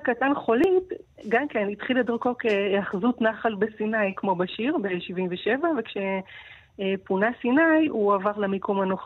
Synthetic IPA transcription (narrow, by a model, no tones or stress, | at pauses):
katanχo̞litɡamkenitχiladiʁko̞keaχzutnaχalbesinajkmo̞baʃiʁbe̞ʃivimveʃevavekʃe̞ | punasinajuavaʁlamikomanoχ